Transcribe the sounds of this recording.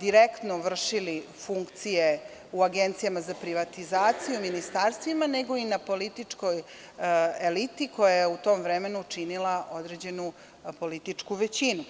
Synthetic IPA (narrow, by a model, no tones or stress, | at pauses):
d̪iɾekt̪noʋr̩ʂili | fuŋkt̪sije | uaɡent̪sijamazapɾiʋat̪izaːt̪sijuminist̪aɾst̪ʋimane̞ɡo̞inapo̞lit̪it͡ʂko̞j | elit̪iko̞jajeut̪o̞ːmʋɾeme̞nut͡ʂinilaʔo̞d̪ɾed͡ʑe̞nu | po̞lit̪it͡ʂkuʋet͡ɕinu